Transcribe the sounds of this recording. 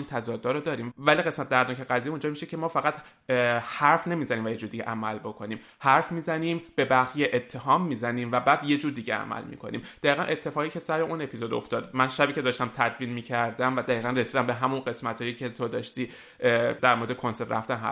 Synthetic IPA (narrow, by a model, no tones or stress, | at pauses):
int̪ʰæzɒd̪ːɒːɾod̪ɒːɾiːmvæliɣe̞smæt̪̚d̪æɾnɒːkʰeɣæzijeũnd͡ʒɒːmiʃecʰe̞mɒːfæɣæt̪ | hæɾfne̞miːzæniːmvæje̞d͡ʒuːɾd̪iɟeʔæmælbo̞kʰo̞niːm | hæɾfmiːzæniːmb̥e̞bæɣje̞ʔet̪ʰːe̞ɦɒːmːiːzæniːmvæbæːd̪je̞d͡ʒuːɾd̪iːɟḛæ̰mæ̰lmḭːkʰo̞nḭːmd̪̥æiːɣænʔe̞t̪ʰːe̞fɒːɣiːcʰesæɾeʔune̞pʰizod̪o̰ft̪ɒːd̪mænʃæbiːcʰe̞d̪ɒːʃt̪æmt̪ʰæd̪viːnmiːcʰæɾd̪æmvæd̪æiːɣænre̞siːd̪æmbe̞ɦæmunɢe̞smæt̪ʰhɒːjicʰe̞t̪ʰod̪ɒːʃt̪iː | d̪æɾmoɾed̪ekʰo̞nse̞ɾt̪ræ̰ft̪ænɦæ̰